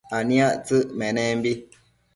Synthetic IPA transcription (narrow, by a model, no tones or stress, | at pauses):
anĩaʔt͡sɨʔmɛnɛmbi